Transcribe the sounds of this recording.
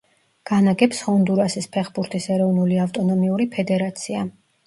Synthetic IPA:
ɡ̥anaɡɛpshɔnd̪uɾasispʰɛχbuɾt̪ʰisɛɾɔvnuliaft̪ʼɔnɔmiuɾipʰɛd̪ɛɾat̪sʰia̰

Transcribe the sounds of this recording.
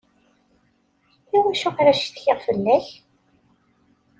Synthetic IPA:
iwæʃʊqɾæʃt̪çɪʁfəlːæç

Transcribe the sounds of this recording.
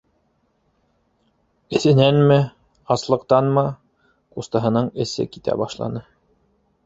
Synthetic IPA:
ɘ̆θɘ̆nænmɘ | ɑslˠɤ̆qt̪ɑnmɤ | qust̪ɤ̆ɦɤ̆nɤɴɘ̆sɘ̰kit̪æ̰bɑʃlˠɑ̰nɤ

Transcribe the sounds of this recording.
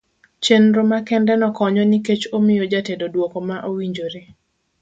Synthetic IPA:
t͡ʃenɾomakɛndɛnɔkɔɲɔniket͡ʃomɪjod͡ʒatedodwokɔmaʔowiɲd͡ʒoɾe

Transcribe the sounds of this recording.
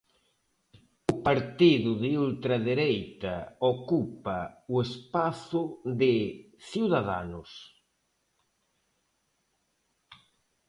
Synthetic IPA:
ʊpaɾt̪iðʊðɪult̪ɾaðeɾejt̪ɐokupaʊespaθʊðɪ | θiwðaða̰nʊs

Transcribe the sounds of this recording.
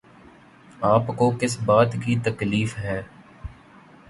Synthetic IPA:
aːpkokɪsbaːt̪kit̪ɐkliːfɦɛː

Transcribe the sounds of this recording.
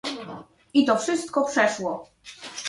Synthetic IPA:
it̪ɔfʂɘst̪̚kɔpʂɛʂwɔ

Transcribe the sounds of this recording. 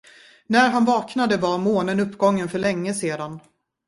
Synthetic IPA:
næɾɦanvɑːknad̪əvaɾmoːnənɵpːɡɔŋːənfœɭɛŋːəseːd̪an

